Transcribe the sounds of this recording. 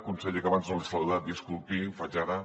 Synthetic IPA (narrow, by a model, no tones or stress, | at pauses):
kunsɛʎekaβanznolˠisaluðat̪̚iskulˠt̪ifad͡ʒaɾa